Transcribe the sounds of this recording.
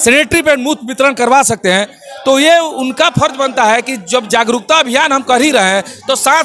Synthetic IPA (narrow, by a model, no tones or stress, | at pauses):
sɛneːʈɾipemut̪ʰbɪt̪ɾəɽ̃kəɾʋasɐk̚t̪eɦɛ̃ | t̪ojeʊnkapʰəɾt͡ʃbənt̪aɦɛkid͡ʒəbd͡ʒaːɡɾʊk̚t̪aɐbʱijaːnɦɐmkɐɾiɾɐɦɛ̃t̪osãː